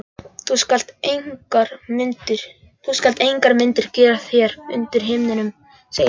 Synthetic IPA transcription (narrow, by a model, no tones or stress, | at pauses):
θuskal̥t̪eŋkaɾmʏnt̪ɪɾ̥ | θuskalt̪ejŋkaɾmɪnt̪ɪɾ̥cɛːɾaθjɛɾʏ̰nt̪ɪɾ̥ɦɪːmnɪnʏm | sej